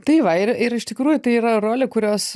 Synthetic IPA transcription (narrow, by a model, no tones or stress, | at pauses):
t̪ɐɪʋɐɪɾɪɾɪʃt̪ʲɪkɾuːjʊt̪ɐɪiːɾɐroːlʲɪkʊɾʲoːs